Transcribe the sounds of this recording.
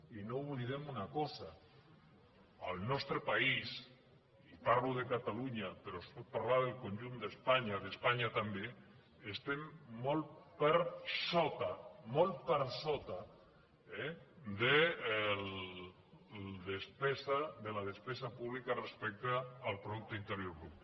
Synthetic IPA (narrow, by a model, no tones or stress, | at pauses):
inouβliðemunakɔsa | əlˠnɔst̪ɾepais | ipaɾluðekat̪aluɲapeɾospot̪̚paɾlaðelˠkonʲʒund̪espaɲaðespaɲat̪ambe | est̪emːolpeɾsɔt̪amɔlpeɾsot̪a | ɛd̪el | ld̪espɛsad̪elaðespɛsapuβlikarespɛk̚t̪aːlpɾoðuk̚t̪oint̪eɾjoɾɣup